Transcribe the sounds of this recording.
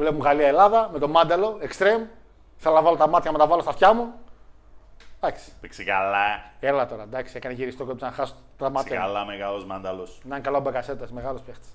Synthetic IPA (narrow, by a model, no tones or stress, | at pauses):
vlepuɣaliɐelɐðɐmet̪o̞mɐnd̪ɐlo̞ekst̪ɾem | iθelonɐvɐlo̞t̪ɐmɐt̪çɐmet̪ɐvɐlost̪ɐfçɐmu | d̪̥ɐksi̥piksikalɐelɐt̪o̞ɾɐd̪ɐksiekɐneʝiɾist̪okoepizɐnɐxɐso | t̪ɐmɐt̪çɐkalɐmeɣalozmɐnd̪ɐlosinɐŋkalɐobɐkɐset̪esmeɣɐlospext̪e̥s